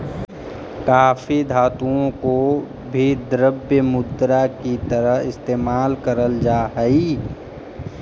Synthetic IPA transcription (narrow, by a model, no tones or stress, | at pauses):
kaːfʰid̪ʱaːt̪ũõko | bʱid̪ɾəbjəmʊd̪ɾakit̪əɾəɦɪst̪eːmaːlkəɾəld͡ʒaːɦɛi